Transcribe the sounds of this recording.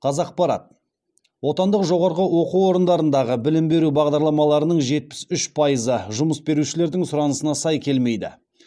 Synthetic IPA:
qʰɑzɑq̚pɑɾɑ̰t̪̚ | wo̞t̪ɑnd̪əqʒo̞ʁɑɾʁəwo̞quwo̞ɾənd̪ɑɾənd̪ɑʁəbɪlɪmbe̞ɾubɑʁd̪ɑɾlˠɑmɑlˠɑɾənəɴʒe̞t̪̚pɪ̥sʏʃpʰɑjəzəʒʊməsbe̞ɾuʃɪle̞ɾd̪ɪŋsʊɾɑnəsənɑsɑjkʲʰe̞lme̞jd̪ɪ̰

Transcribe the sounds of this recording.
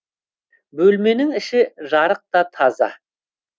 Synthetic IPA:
bɵlme̞nɪŋɪʃɪʒɑɾəq̚t̪ɑt̪ʰɑzɑ̰

